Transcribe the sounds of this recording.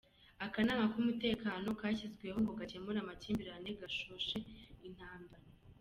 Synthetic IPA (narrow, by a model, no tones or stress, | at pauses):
akanaːmakumute̞ːkaːno̞kaːçizɡwe̞hoŋɡo̞ɡacemuɾamaciːmbiɾaneɡaʃuʃe̞in̥haːmbaɾa